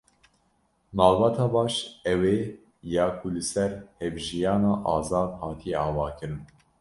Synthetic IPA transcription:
nɑːvbɑːt̪ʰɑːbɑːʃɛweː | jɑːkʰulɨsɛɾhɛbʒijɑːnɑːʔɑːzɑːnhɑːt̪ʰijɛɑːvɑːkʰɨɾɨn

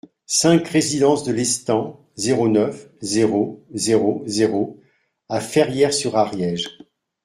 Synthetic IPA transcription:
sɛ̃kʁezid̪ɑ̃sd̪əlɛst̪ɑ̃ | zeʁonœfzeʁozeʁozeʁo | afɛʁjɛʁsyʁaʁjɛʒ

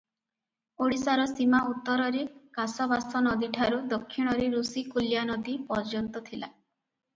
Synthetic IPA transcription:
oɽisaɾɔsimaut̪ːɔɾɔɾekasɔβasɔnɔd̪iʈʰaɾud̪ɔkʰːiɽ̃ɔɾeɾusikuljanɔd̪ipɔɾd͡ʒɔnt̪ɔt̪ʰila̰

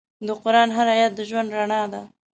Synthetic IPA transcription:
d̪əqʊɾɑnɦaɾajat̪̚d̪əʒwand̪ɾaɳɑd̪a

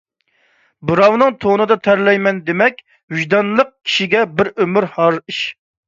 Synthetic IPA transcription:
bɨɾɑwnɨŋt̪ʰonɨd̪ɑt̪ʰæɾlɛjmɛnd̪emɛk̚ʲ | ɦyʒd̪ɑnlˠəq̚kʲʰi̥ʃiɡʲɛbɪɾømyɾhɑɾiʃ

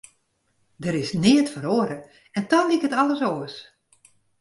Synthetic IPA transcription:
dəɾɪsnɪətfəɾoəɾə | ɛntɔnlikətɔləsoːəs

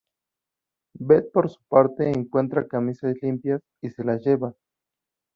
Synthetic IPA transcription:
bet̪̚poɾsu̥paɾt̪eːŋkwent̪ɾakamisaslimpjas | iselasjeβa

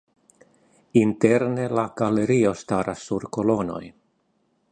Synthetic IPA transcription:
inte̞ɾne̞laɡ̥ale̞ɾio̞staɾʔasːuɾko̞lo̞no̞̰j

